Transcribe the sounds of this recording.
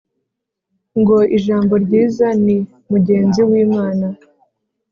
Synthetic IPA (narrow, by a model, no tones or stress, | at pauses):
ŋɡo̞ʔiʒaːmbo̞ɾɟiːzani | muɟe̞ːnziwiːmaːna